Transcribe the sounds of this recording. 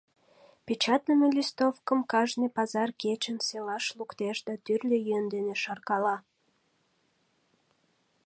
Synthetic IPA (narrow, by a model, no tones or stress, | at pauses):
pʲet͡ɕɑt̪nəməlʲist̪ofkəmkɑʒnepɑzɑrket͡ɕənselɑʃlukt̪eʃd̪ɑt̪yrlʲejønd̪eneʃɑrkɑlɑ